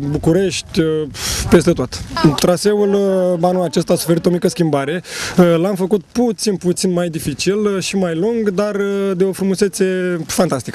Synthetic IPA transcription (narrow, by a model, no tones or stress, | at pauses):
bukuɾe̞ʃt̪ʲpe̞st̪e̞t̪ot̪t̪ɾase̞ulanulat͡ʃe̞st̪aːsu̥fe̞ɾit̪o̞mikəskʲimbaɾe̞lamfəkut̪put̪sinput̪sinmajd̪ifit͡ʃilʃimajluŋɡd̪ard̪e̞o̞fɾumuse̞t̪se̞fant̪ast̪ikə